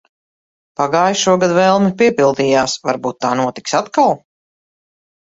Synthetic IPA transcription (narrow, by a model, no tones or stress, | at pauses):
paɡaːjʃuɔɡad̪vɛlˠmɛpiɛpilˠd̪iːjaːsvaɾbuːt̪ːaːnuɔt̪i̥ksat̪kalˠ